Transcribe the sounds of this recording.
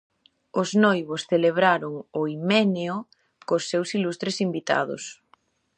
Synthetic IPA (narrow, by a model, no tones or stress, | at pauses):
ʊznojβosθeleβ̞ɾaɾʊŋʊimɛneo | kosːewsilust̪ɾesimbit̪a̰ðʊ̰s